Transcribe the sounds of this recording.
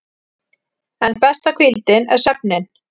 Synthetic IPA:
ɛnpɛst̪akʰvilt̪ɪnɛɾ̥sœp̚nɪn

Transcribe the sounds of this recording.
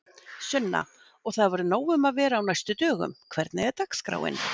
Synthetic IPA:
sœnːa̰ | ɔɣθaðvɔɾʏnoːwʏmaðvɛːɾaːwnajst̪ʏt̪œːɣʏ̰mkʰvɛɾt̪nɪɛt̪akskɾa̰wɪ̰n

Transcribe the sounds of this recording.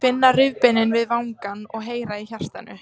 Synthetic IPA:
fɪnːarʏvpɪnːɪnvɪðvaːwŋkanɔɣɦeːjɾaiçar̥t̪anʏ

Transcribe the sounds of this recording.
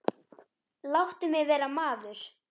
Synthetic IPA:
lawht̪ʏmjɛɣvɛːɾamaːvlʏɾ̥

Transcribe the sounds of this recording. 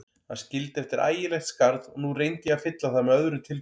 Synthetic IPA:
hanscɪlt̪ɛft̪ɪɾʔa̰ːjɪlɛjxt̪skaɾðɔɣnurejnt̪ɪjɛafɪt̪laθamɛœðɾʏt̪ʰɪl

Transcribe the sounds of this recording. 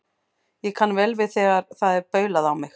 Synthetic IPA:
jɛkʰanːvɛlvɪðθɛːɣaɾ̥θaðɛɾpœːɥlaðawmɪx

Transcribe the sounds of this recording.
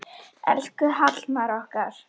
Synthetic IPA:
ɛ̰l̥kʏɦat̪lmaɾɔhkaɾ̥

